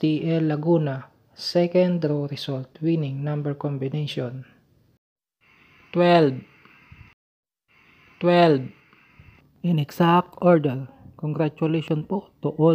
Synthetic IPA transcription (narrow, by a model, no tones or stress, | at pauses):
iʔɛlːɐɡuːna | sɛkɛnd̪ɾoɾɪsɔlt̪winɪŋnambɛɹkɔmbɪnejʃɔn | t̪wɛlb | t̪wɛlb | ɪnɛɡsak̚t̪oɹd̪ɛɹkoŋɡɾat͡ʃʊlejʃɔnpot̪ʊʔɔ